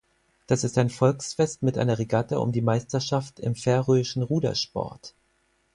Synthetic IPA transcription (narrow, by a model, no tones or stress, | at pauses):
d̥asɪstaɪnfɔlksfɛstmɪtʔa̰ɪnɐʁeɡatəʔʊ̰mdiːmaɪstɐʃaftɪ̰mfɛɐʁøːɪʃn̩ʁuːdɐ̰ʃpɔ̰ɐt